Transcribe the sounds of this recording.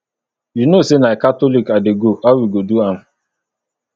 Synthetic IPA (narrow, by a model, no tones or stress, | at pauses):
junosenaekatɔlikadɪɡoawiɡoduam̩